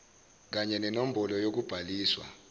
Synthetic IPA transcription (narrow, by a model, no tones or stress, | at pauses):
k̬aɲɛnɛnom̩bʱɔlɔjok̬ub̥ʱaliːswa̰